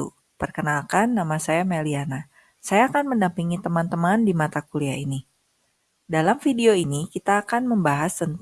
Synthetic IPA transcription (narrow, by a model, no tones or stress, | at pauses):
ṵ | pərkənalkanːamasajameliana | sajaːkanməndampiŋit̪əmant̪əmandimat̪akuliaini | dalamfideoinikit̪aːkanməmbaɦasːənt̪